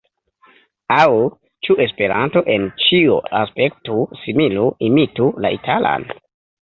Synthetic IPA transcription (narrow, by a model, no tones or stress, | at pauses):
aw | t͡ʃue̞spe̞ɾa̰nto̞ʔe̞nt͡ʃiuaspe̞k̚tusimiluimitulaʔitʰala̰n